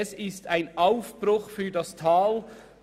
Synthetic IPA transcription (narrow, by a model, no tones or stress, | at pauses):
ɛsɪstʰaɪnaʊfb̥ɾʊxfyːɐdɑstʰaːl